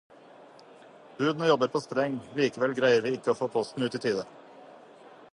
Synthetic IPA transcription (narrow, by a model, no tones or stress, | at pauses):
b̥ʉːd̪nəjɔbəɾpʰoːst̪ɾɛŋliːkəʋɛlɡɾæɪəɾʋiːɪkːəoːfoːpʰɔst̪n̩ʉːt̪iːt̪ʰiːd̪ə